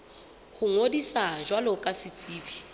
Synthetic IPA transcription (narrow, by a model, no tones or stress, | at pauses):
hʊŋodisaʒwalʊkʼasɪt͡sʼiːbi